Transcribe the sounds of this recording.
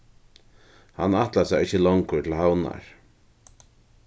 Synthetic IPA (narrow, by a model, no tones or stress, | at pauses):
hanːaht̪lasaɾɪhçəlɔŋkʏtʰɪlhawna̰ɹ